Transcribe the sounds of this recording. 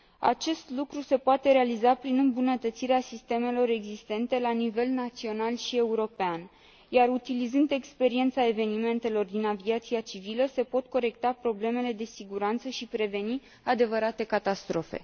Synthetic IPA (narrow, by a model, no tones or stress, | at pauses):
a̰t͡ʃe̞st̪lukɾuse̞poat̪e̞ɾealizapɾinɨmbunət̪ət̪siɾeasist̪e̞me̞lo̞ɾe̞ɡzist̪e̞nt̪e̞lanive̞lnat̪sio̞nalʃie̞uɾo̞pean | jaɾut̪ilizɨnd̪e̞kspe̞ɾie̞nt̪sae̞ve̞nime̞nt̪e̞lo̞rd̪inaviat̪siat͡ʃiviləse̞po̞t̪ko̞ɾe̞kt̪apɾo̞ble̞me̞le̞d̪e̞siɡuɾant̪səʃipɾe̞ve̞ni | ad̪e̞vəɾat̪e̞kat̪ast̪ɾo̞fe̞̰